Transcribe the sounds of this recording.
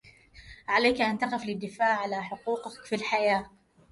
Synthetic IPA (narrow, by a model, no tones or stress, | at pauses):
ʕalaːkʔant̪aqɪflɪd̪ːɪfaːʕːalaħʊquːqɪkfilħajaː